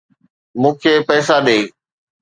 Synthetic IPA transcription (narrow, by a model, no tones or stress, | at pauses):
mũːkʰeːpɛːsaɗeː